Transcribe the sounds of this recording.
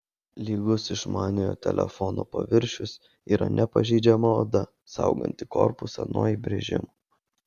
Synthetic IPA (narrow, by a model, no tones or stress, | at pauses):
lʲiːɡʊsɪʃmɑːnʲɪjoːt̪ʲɛ̰lʲɛ̰fɔno̰ːpɐʋʲɪɾʲʃʲʊs | iːɾɐ̰nʲʔɛpɐʒʲɛːd͡ʒʲɛmɐoːd̪ɐ | sɑ̰ʊɡɐ̰nʲt̪ʲɪkɔ̰ɾpʊsɐ̰nuɔibʲɾʲɛʒʲɪ̰mu